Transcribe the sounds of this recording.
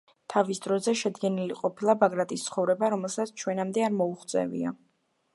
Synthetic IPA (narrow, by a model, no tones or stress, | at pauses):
t̪ʰavisd̪ɾɔzɛʃɛd̪ɡɛniliqʼɔpʰilˠabaɡɾat̪ʼist̪sʰχɔvɾɛbaɾɔmɛlˠsat̪sʰt͡ʃʰwɛnamd̪ɛaɾmɔuχt̪sʼɛ̰vḭa